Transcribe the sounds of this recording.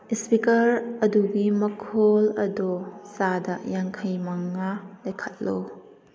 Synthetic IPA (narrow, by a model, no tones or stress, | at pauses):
ispikɐɾɐduɡimɐkʰolɐdosadɐjaŋkʰɐjmɐŋalɐjkʰɐt̚lo